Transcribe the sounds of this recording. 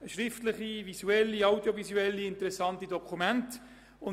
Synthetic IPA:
ʃɾɪftləχivisuɛlːiɑwdjovizuɛlːiɪntəɾɛsɑntidɔkʰumɛnt | ʊ

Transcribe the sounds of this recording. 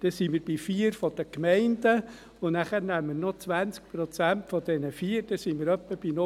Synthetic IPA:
d̥̪esiməɾb̥ifiəɾfɔd̥̪əkmɛɪnd̥ə | ʊnæχəɾnæmːəɾnot͡sʋænt͡sk̚pɾɔt͡sæntfɔd̪̥ɛnəfiːəɾd̥ɛsiməɾœpːəb̥ino

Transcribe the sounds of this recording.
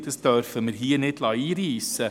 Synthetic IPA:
təsd̥œrfəmərɦiːrnɪtlɑiːriːsə

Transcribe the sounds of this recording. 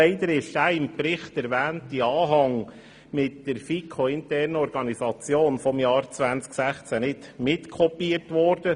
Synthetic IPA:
ɛɪd̪əɾɪʃdæɪmpɾɪχtɛɾʋæːntiɑːɦɑŋ | mɪtdəɾfikʰoɪntɛɾnɔɾɡ̥ɑnisɑt͡sjoːnfɔmjɑːɾt͡sʋænt͡sksæχt͡sænɪtmɪtkʰɔpiətʋɔɾd̥ə

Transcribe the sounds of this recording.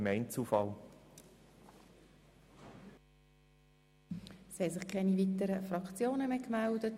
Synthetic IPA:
mɛɪnt͡suːfɑl | shɛsɪχkʰɛnivitəɾəfɾɑkt͡sjoːnəmekmældət

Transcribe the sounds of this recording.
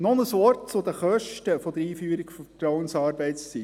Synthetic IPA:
nɔnəsʋɔrt̚t͡sʊd̪əχœʃtəfɔd̪əɾiːfyːəɾikfətɾɔwənsɑːɾbɛɪtst͡si

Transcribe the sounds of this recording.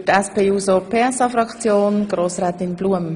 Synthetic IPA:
tɛspeːuːsopʰeːɛsɑfɾɑkt͡sjoːnɡ̥roːsrɛːt̪ɪnbluəm

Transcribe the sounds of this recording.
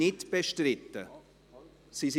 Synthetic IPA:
ɪtb̥eʃtrɪtːə | sis

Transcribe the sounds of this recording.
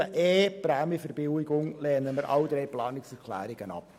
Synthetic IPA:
əʔeːpɾɛːməfəɾb̥ɪwɪɡʊŋlɛːnəməɾʔɑ̰wd̥̪ɾejplɑːnɪksɛɾkʰlæ̰ːɾɪɡ̥ənɑ̰p̚

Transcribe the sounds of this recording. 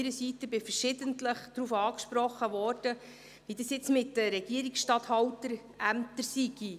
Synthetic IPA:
ɾəsitəbɪfəɾʃɪdəntləχd̥ɾuːfɑːkʃpɾɔχːəʋɔrd̥ə | ʋidɑsjɪt͡smɪtdəɾɛɡ̥iəɾiksʃtɑthɑwtəɾ | ʔæmt̪əɾsiɡ̥i

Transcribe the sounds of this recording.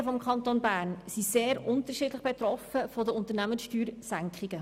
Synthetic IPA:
əfɔmkʰɑnt̪onbæːɾnsiseːɾʊntəʃiːdləχb̥et̪ɾɔfəfɔdəʊntəɾnæməsʃtyːɾsæŋkχiɡ̥ə

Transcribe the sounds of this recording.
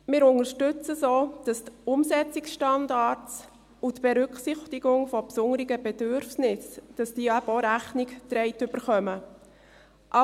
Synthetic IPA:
mɪːɾʊŋəɾʃtʏt͡səsoːd̥ɑstʊmsɛt͡sɪksʃtɑndɑːɾtt͡s | utbeɾʏkχsɪχtɪɡ̥ʊŋfɔpsʊŋəɾɪɡəbɛd̥øɾfnɪsd̥ɑsd̥iəæbəoɾæχnɪkt̪ɾɛɪtʏb̥əɾχœmə | ʔɑ

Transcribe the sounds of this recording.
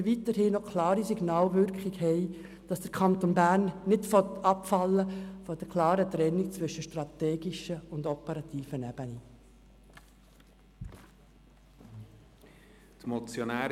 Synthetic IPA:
ʋit̪əɾhiːnɔkʰlɑːɾisiɡnɑːlʋʏɾkχiɡhɛɪ | d̥ɑsd̥əɾkʰɑnt̪onbæːɾnːɪtfɔt̪ɑpfɑlːəfɔd̥̪əɾkʰlɑːɾət̪ɾɛnːit͡sʋʏʃəʃtrɑt̪ɛːɡiʃəʊndɔpɛɾɑt̪ʰiːfənæb̥əni | t̪mɔt͡sjonæː

